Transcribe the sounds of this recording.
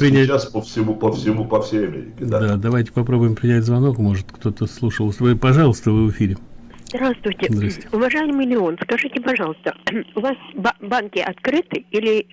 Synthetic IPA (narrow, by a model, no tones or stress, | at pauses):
pɾʲɪnnʲæaspəfsʲɪmupəfsʲɪmupɐfsʲejɐmʲḛɾʲɪkʲɪd̪d̪ad̪ɐvajtʲɪ̥pɐpɾo̞bʊjɪmpɾʲɪnʲætʲzvɐno̞kmo̞ʐɨt̪kt̪o̞t̪əslˠuʂəlˠsɨpɐʐɑlˠəst̪əvɨvɨfʲiɾʲɪ | zzd̪ɾast̪vʊjtʲɪzd̪ɾasst̪ʲɪʊvɐʐajɪmɪjlʲɪo̞nskɐʐɨtʲɪpɐʐɑlˠəst̪əʊvasbbankʲɪʔɐt̪kɾɨt̪ɨilʲɪ